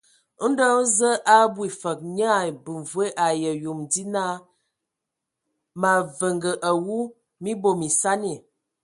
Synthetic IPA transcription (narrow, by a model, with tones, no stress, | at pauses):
n̩˦də˦zə˦ʔa˦bwi˨fə˨k̚ɲa˦˨bu˨ɱvwe˦ʔa˨jə˨ju˨mdi˦na˦ | ma˨və˨ŋɡə˨ʔa˨wu˦ | mi˦bo˨mi˨sa˦ni˨